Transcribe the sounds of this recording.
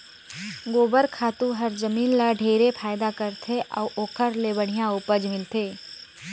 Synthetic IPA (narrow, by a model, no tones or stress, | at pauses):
ɡoːbəɾkʰaːt̪ũɦɐɾzəmiːnlaɖʱeːɾepʰaːjd̪akəɾt̪ʰeʔɔ̰ːʔoːkʰəɾlebəɽ̤̃ijãʊpəd͡ʒmɪlt̪eː